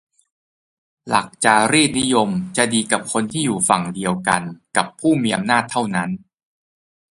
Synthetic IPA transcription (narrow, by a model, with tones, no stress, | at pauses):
la̰˨˩k̚t͡ɕa˨˩ɾiː˥˩t̪̚ni˦˥jo˧mt͡ɕa˨˩diː˧ka˨˩p̚kʰo˧nt̪ʰiː˥˩juː˨˩fa˨˩ŋdi˧əwka˧nka˨˩pʰːuː˥˩miː˧ʔa˧mnaː˥˩t̪ʰːa˥˩wna˦˥n